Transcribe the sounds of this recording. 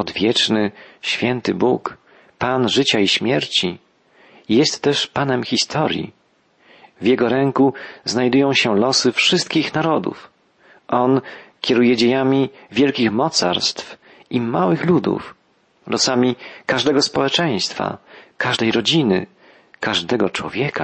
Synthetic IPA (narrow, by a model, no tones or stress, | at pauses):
ɔd̪vʲjɛt͡ʂnɘɕfʲjɛnt̪ɘbuk | panʐɘt͡ɕaiɕmʲjɛɾt͡ɕi | jɛst̪ːɛʂpanɛmxʲist̪ʰɔɾʲjḭ | vjɛɡɔɾɛŋkuznajd̪ujɔ̃w̃ɕɛlɔsɘfʂɘst̪̚kʲixnaɾɔd̪ṵf | ʔɔnkʲɛɾujɛd͡ʑejamʲi | vʲjɛlkʲixmɔt̪sa̰ɾst̪f | ʔimawɘxlud̪ṵf | lʔɔsamʲikaʐd̪ɛɡɔspɔwɛt͡ʂɛj̃st̪fa̰kaʐd̪ɛjɾɔd͡ʑinɘ̰ | kaʐd̪ɛɡɔt͡ʂwɔ̰vʲjɛka